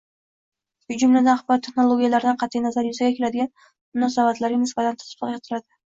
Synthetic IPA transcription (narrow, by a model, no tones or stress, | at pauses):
ʊd͡ʒʊmlad̪anχbɒɾt̪ʰːe̞χnolˠoɡʲijalaɾɪd̪anqʰɑt̪ʰijnazaɾjʊsaɡʲakʲʰe̞lad̪ɪɡʲan | mʊnɒsabat̪laɾɪnɪsbat̪ʰant̪ʰʊ̥ʊ̥t̪ʰɑqjɑt̪ʰɪɾad̪ɪ